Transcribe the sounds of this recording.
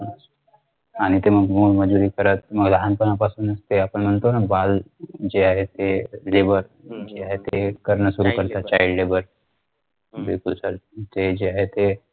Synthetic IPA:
n | aɽ̃it̪eməɡmulməd͡ʒuɾikəɾət̪məɡd̪ʱɦanpənapasuːnəst̪eapəɳmənt̪onabald͡ʒeaɦet̪elebəɾ | d͡ʒeaɦet̪ekəɾnəsuɾukəɾt̪at͡ʃaiɖlebəɾ | bɪ̰lkulsalt̪ed͡ʒeaɦet̪e

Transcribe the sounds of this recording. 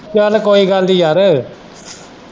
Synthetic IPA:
aːlɐkoːjiɡaːld̪ijaːɾɯ

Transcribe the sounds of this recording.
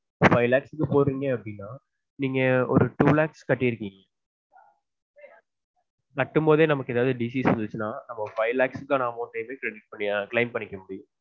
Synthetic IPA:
fɐɪlaːksɯkːɯpoːɾɾiːŋɡɐ̃ɐpːɐɽɪnːaː | niːŋɡɐɔ̰ɾɯʈuːlaːkskɐʈːɪɪɾɯkːiːŋɡɐ | kɐʈːɯmpoːðeːnɐmɐkːɯɛðaːʋðɯɖisisʋɐnd̪ɯt͡ʃːɯnaːnɐmːɐfɐɪlaːksɯkːãnãːʋõt̪eːmeːkɾɛɽɪʈ̚pɐɳːɪãklɐɪmpɐɳːɪkːɐmʊɽɪjʊ̃

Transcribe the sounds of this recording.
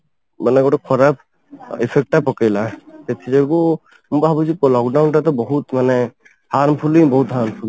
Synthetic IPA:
manɛɡɔʈɔkʰɔɾap̚ | ipʰek̚ʈapɔkejlat̪et̪ʰizaɡu | mubaɦabɔsikɔlɔkɖawnʈat̪ɔbɔɦut̪manɛ | haɾmpʰulĩbɔɦut̪ɦaɾmpʰuli

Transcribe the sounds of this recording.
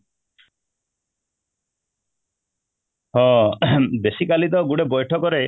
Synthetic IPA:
hɔ̃besikalit̪ɔɡuɽebɔjʈʰɔkɔɾe

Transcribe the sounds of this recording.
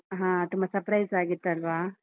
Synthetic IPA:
ɦãːt̪umbɐsɐɾpɾɐjzaːɡit̪ːɐlʋaː

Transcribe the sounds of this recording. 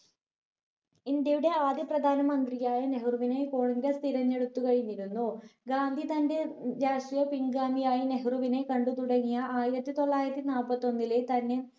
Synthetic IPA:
indjɐjuɽe̞aːd̪jɐprɐd̪ʱaːnɐmɐnd̪rijaːjɐne̞ɦruʋine̞koːɳŋɾɐst̪ʰiɾɐnːe̞ɽut̪ːukɐɻiɲːiɾunːuɡaːnd̪ʱit̪ɐndeɾaːʂrijɐpiŋɡaːmijaːjine̞ɦruʋine̞kɐɳɖut̪uɽɐŋːijɐʔaːjiɾɐt̪ːit̪o̞ɭːaːjiɾɐt̪ːinaːlpːɐt̪ːo̞nːilet̪ɐnːe̞

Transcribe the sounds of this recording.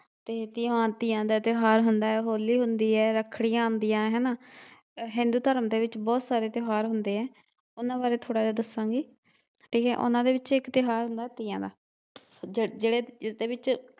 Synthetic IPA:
t̪eːt̪ɪãːt̪iːãːd̪aːt̪ɪɦaːɾɦʊnd̪aːɛːɦoːliːɦʊnd̪iːɛːɾəkʰːɽiːãːnd̪ijãːɦɛːnaː | ɦɪ̃nd̪uːt̪əɾəmd̪eːʋɪt͡ʃbɔːt̪saːɾeːt̪ɪɦaːɾɦʊnd̪eːɛ̃ː | ʊnãːbaːɾeːt̪ʰoːɽaːd͡ʒaːd̪əsãːɡiː | ʈʰiːkɛːʔʊ̰nãːd̪eːʋɪt͡ʃɪkt̪ɪɦaːɾɦʊnd̪aːɛːt̪iːãːd̪aː | d͡ʒd͡ʒeːɽeːɪsd̪eːbɪt͡ʃ

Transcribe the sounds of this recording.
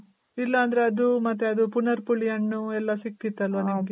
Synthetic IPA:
ilːɐːnd̪ɐɾeɐd̪umɐt̪ːeɐd̪upunɐɾpuɭijɐnːuɛlːɐsikːit̪ːɐlʋɐnɐmɡe

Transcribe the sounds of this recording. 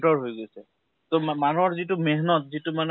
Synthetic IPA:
tɔɹɦojɡojsɛ | t̪omanuɔɹzitumeɦnɔtzituman

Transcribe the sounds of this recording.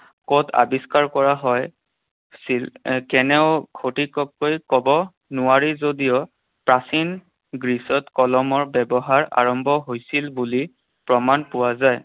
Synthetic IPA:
kotʰa̰biskaɹkɔɹaɦɔj | silkɛnɛʊkʰotikɔkːojkɔbɔ | nʊwaɹizodijɔ | pɹasin | ɡɹisɔtkɔlɔmɔɹbɛbɔɦaɹa̰ɹɔmbʱɔɦojsilbuli | pɹɔmanpʊwazaj

